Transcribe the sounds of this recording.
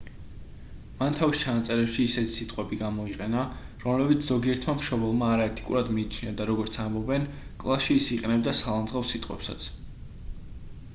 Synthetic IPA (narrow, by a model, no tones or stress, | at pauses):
mant̪ʰavist͡ʃʰanat̪sʼɛɾɛpʃiːsɛt̪ʰi̥sit̪ʼqʼwɛbiɡamɔiqʼɛnaɾɔmlɛbit̪sʰz̥ɔɡiɛɾt̪ʰmamʃɔbɛlˠmaːɾaɛt̪ʰi̥kʼṵɾad̪miːt͡ʃʰniad̪aɾɔɡɔɾt̪sʰambɔbɛnkʼlˠasʃiːsiqʼɛnɛb̚d̪asalˠand̪zʁafsit̪ʼwɛ̰psa̰t̪sʰ